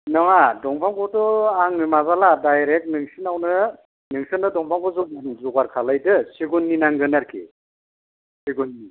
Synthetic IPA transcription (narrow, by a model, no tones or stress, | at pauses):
nɯŋadɔŋpʰaŋkʰɔdɔaŋmɯmaβaladajɾek̚nɯŋsɯnawnɯ | nɯŋsɯnɯdɔŋpʰaŋpʰɔzɔɯnzɔɡaɾkʰalajdɯsiɡunːinaŋɡɯnaɾkʰḭ | siɡunːi